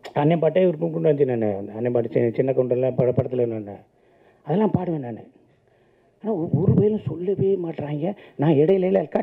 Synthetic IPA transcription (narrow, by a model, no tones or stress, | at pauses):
ɐnːepaʈːeːɪɾɯkːɯmkɔɳɖɯʋɐɲd͡ʒɪnaːnːɐ̰ɐnːepaːʈːɯt͡ʃt͡ʃɪnːɐkɔɳɖɐlːãpɐpɐɽɐt̪ːɪlɐɾɯnaːnːɐ̰ | ɐðɛlːãːpaːɽɯʋenaːnɯ̰ | aːnaːɔɾɯʋeːlʊ̃sɔlːɐʋeːmaːʈːɾaːŋɡɐnãːɛɽɐjɪlɐjlɐɪɾɯkːaː